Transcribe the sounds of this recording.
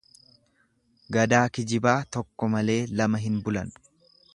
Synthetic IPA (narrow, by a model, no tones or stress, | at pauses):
ɡɐd̪aːkɪd͡ʒɪbaːt̪ɔkːɔmɐle̞ːlɐmɐɦɪnbʊlɐ̰n